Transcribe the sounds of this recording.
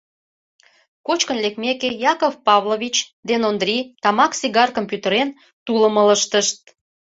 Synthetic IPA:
kot͡ɕkə̆nlekmekejɑkovpɑβloβʲit͡ɕd̪enond̪rʲit̪ɑmɑksiɣɑrkompjut̪əɾen | t̪uləmələʃt̪əʃt̪̚

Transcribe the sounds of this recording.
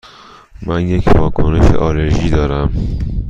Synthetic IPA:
mænje̞cʰvɒːkʰone̞ʃḛʔɒːleɾʒiːd̪ɒːɾæm

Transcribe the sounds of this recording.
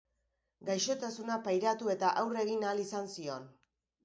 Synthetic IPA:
ɡajʃo̞t̪asunapajɾat̪ue̞t̪aʔawre̞ɣinalisansio̞n

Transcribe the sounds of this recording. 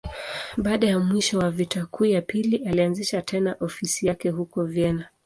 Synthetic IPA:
ɓaːɗajamwiʃɔwavitʰakʰuːjapilialianziʃatʰɛnaʔɔfisijakɛhukɔvjɛna

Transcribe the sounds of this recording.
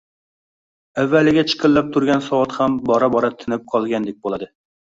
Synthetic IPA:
ævːælːɪɡʲɛt͡ʃʰɪ̥qʰəlːɛp̚t̪ʰuɾɡʲɛnsɑwɑt̪χɛmbɑɾɑbɑɾɑt̪ʰɪnɪp̚qʰɑlˠɡʲɛnd̪ɪk̚ʲbolˠɨd̪ɨ

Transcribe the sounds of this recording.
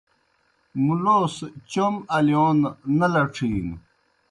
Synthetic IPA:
muloːst͡ɕomɐljoːnːɐlɐʈ͡ʂʰiːŋ

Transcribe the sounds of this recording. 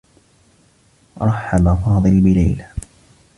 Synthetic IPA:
ɾˤɑħːabafɑːd̪ˤɨlbɪla̰jla

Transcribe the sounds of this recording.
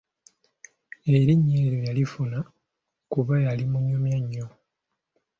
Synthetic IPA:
e̞ɾiɲːeɾojalifuna | kuβajalimuɲːumjaɲːo

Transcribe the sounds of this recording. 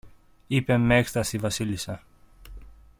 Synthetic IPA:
ipe̞mekst̪ɐsivɐsilisɐ

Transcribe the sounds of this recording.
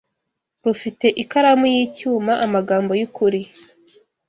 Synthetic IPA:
ɾufite̞ʔikaɾamujiːcuːmaʔamaɡaːmbo̞jukuɾi

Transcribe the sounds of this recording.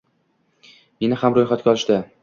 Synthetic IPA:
me̞nɪhamɾojχat̪̚kʲaɒlˠɪʃd̪a

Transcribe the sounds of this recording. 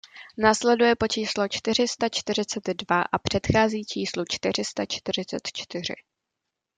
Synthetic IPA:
naːslɛdujɛpo̞t͡ʃiːslo̞t͡ʃt̪ɪr̝ɪst̪at͡ʃt̪ɪɾ̝ɪt͡sɛd̪dvaʔapr̝̥ɛt̪xaːziːt͡ʃiːslut͡ʃt̪ɪr̝ɪst̪at͡ʃt̪ɪɾ̝ɪt͡sɛ̰t̪t͡ʃt̪ɪr̝ɪ̰

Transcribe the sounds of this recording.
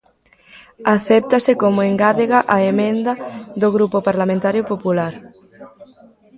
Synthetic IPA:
aθɛp̚t̪asekomoeŋɡaðeɣaʔaemẽnd̪ɐðoɣ̞ɾupopaɾlamẽnt̪aɾjopopulaɾ

